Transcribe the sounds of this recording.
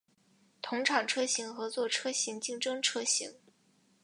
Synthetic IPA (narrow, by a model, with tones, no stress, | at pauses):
t̪ʰʊ˧˥ŋʈ͡ʂʰɑ˨˩ŋʈ͡ʂʰɤ˥ɕi˧˥ŋxɤ˧˥t͡swɔ˥˩ʈ͡ʂʰɤ˥ɕi˧˥ŋt͡ɕi˥˩ŋʈ͡ʂɤ˥ŋʈ͡ʂʰɤ˥ɕḭ˧˥ŋ